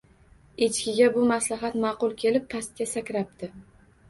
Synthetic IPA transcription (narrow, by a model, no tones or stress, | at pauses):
et͡ʃʰkʲɪɡʲabʊmaslaɦat̪mɑːqʊlˠkʲʰe̞lɪpʰːast̪̚ɡʲasakʲɾap̚t̪ʰɪ